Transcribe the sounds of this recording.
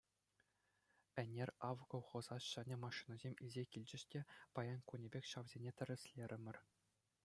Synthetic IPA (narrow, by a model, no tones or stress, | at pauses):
ɘ̆nʲerʲɑʋɡŏwχɤ̆zɑɕɑnʲemɑʂinɑzʲemʲizʲekʲilʲd͡ʑɘ̆ɕtʲepɑjɑnkunʲebʲekʲɕɑʋzʲenʲet̪ʲɘ̆rʲɘ̆sʲlʲeɾʲɘ̆mʲɘ̆rʲ